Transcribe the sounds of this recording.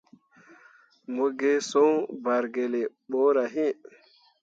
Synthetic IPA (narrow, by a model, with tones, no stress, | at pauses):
moɡɛ˦sɔwbaɾɡɛ˨lɛ˨ɓɔ˦ɾa˨ɦi˦